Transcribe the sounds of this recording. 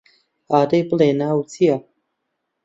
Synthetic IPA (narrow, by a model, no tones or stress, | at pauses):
aːd̪ejpleːnaːwt͡sia